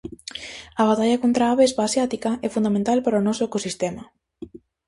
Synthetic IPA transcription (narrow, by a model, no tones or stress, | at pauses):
ɐβ̞at̪aʎɐkont̪ɾaaβezβasjat̪ikɐʔɛfund̪amẽnt̪alpaɾaʊnɔsʊekosist̪ɛmɐ